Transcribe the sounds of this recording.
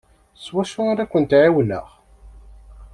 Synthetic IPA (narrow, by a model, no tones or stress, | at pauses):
swæʃʊaɾækʷːənt̪ʕiwlə̰ʁ